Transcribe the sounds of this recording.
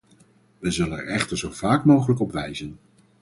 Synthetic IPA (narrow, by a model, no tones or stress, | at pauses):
ʋəzɵlənɛ̰ɹɛχtəɹzowv̥aːkmowχələkɔpʋɛjzən